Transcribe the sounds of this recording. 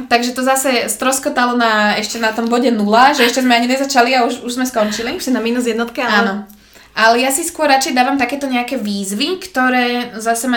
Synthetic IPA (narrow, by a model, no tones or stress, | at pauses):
t̪aɡʒɛt̪ɔzasɛst̪ɾɔskɔt̪alɔnaɛʃcɛnat̪ɔmbɔɟɛnulaʒɛɛʃcɛzmɛaɲinɛzat͡ʃaliauʒuʒzmɛskɔnt͡ʃiliʃɛnamiːnuzjɛd̪nɔt̪kiaanɔ | ʔalɛjasiskʊɔɾɾat͡ʃɛjd̪aːʋamt̪akɛːt̪ɔɲɛakɛːʋiːzʋikt̪ɔɾɛːzasɛma